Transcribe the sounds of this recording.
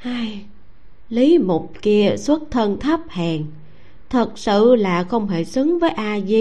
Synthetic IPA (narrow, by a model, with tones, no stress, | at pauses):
haː˧j | li˨˦mo˨˩t̚ki˧əswə˦˥t̚t̪ʰə˧nt̪ʰə˦˥p̚haː˨˩ŋ | t̪ʰə˨˩t̚sɨ̰˧˨laː˨˩xə˧wŋ͡mɦe˧˩sɨ˨˦ŋvəː˨˦jʔaː˧zi˧